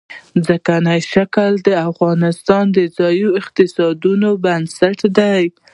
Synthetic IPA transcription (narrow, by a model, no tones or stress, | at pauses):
zəkanajʃakəld̪əafɣɑnɪst̪ɑnd̪əzɑjuɪqt̪ɪsɑd̪unobansaʈd̪aj